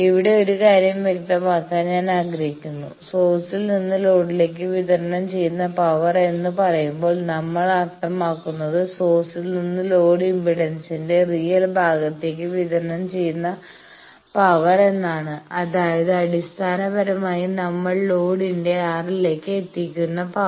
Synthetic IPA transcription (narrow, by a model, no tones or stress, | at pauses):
iʋiɽe̞o̞ɾukaːɾjɐmʋjek̚t̪ɐmaːkːaːnɲaːnaːɡɾɐɦikʲːunːu | so̞ːsilninːɨlo̞ːɽile̞ːk̬ːɨʋiðɐrnɐmt͡ɕe̞jːunːɐpɐʋɐre̞nːɨpɐrɐjumbo̞ːɭnɐmːɐɭɐrt̪ɐmaːkːunːɐðɨso̞ːsilninːɨlo̞ːɖimbiɽensinde̞rijɐlbʱaːɡɐt̪ːe̞ːkːɨʋiðɐrnɐmt͡ɕe̞jːunːɐ | pɐʋɐre̞nːaːɳɨɐðaːjɐðɨɐɽist̪ʰaːnɐbɐɾɐmaːjinɐmːɐɭlo̞ːɽinde̞aːrile̞ːkːɨet̪ːikʲːunːɐpɐ